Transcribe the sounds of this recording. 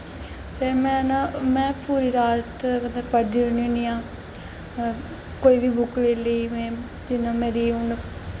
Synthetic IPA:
t̪eːmɛ̃ːnãːmɛ̃ːpuːɾiːɾaːt̪bəd̪ãpəɽd̪iːoɳiʊniːãː | koːiːʋiːbʊkɾeːləiːmɛ̃ː | d͡ʒɪnãːmeːɾiːʊn

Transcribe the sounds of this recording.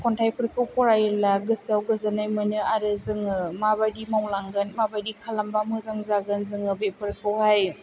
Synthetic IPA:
kʰɔntʰajpʰɯɾkʰɯwpɔɾajɯlaɡɯsawɡɯzɯnajmɯnɯaɾɯzɯŋɯmabajdimawlaŋɡɯnmabajdikʰalambamɯzaŋzaɡɯnzɯŋɯbepʰɯɾkʰɯwhaj

